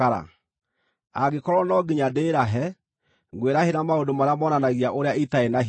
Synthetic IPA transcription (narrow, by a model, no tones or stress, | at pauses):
aɾa̰ | aɣekɔɾɔnɔɡiɲadeːɾaɦɛ | ŋɡweɾaheɾamaodomaɾeamɔːnanaɣiaʔoɾeaitaenaɦ